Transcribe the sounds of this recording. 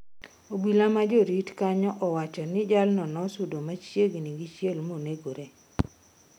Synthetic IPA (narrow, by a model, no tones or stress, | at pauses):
obilamad͡ʒoɾitkaɲɔʔɔwat͡ʃɔnɪd͡ʒalnɔnɔsudomat͡ʃjeɡniɡit͡ʃjelmoneɡoɾe